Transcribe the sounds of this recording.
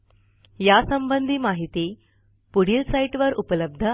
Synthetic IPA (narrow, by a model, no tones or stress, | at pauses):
jasəmbənd̪ʱiːmaɦit̪i | puɽ̤iːlsaiʈʋəɾupələb̚d̪ʱə